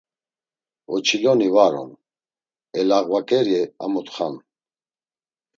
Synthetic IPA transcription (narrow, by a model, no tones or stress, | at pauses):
ɔt͡ʃʰilɔnivaɾɔ̰n | ɛlaɣvakʼɛɾiɛamɔt̪ʼχan